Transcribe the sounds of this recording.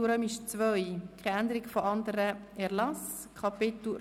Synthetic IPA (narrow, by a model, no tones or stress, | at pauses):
uɾœmɪʃt͡svœjkχɛænd̪əɾɪkfoɑnd̪əɾə | ɛɾlɑs | kʰɑpɪt̪u